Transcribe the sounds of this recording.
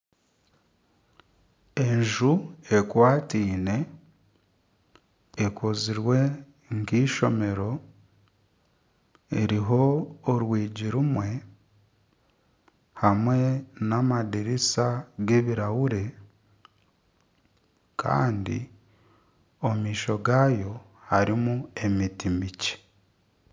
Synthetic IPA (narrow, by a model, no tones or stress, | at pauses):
e̞ɲʒue̞kwaːtiːne̞ | ekoziɾwe̞ | ŋkiːʃo̞me̞ɾo̞ | ɾiɦo̞ːɾwiːɟiɾumwe̞ | hamwe̞namadiɾisaɡe̞βiɾawuɾe̞ | kʰa̰ːndḭ | omiːʃo̞ɡajo̞ | haɾimue̞mitimice̥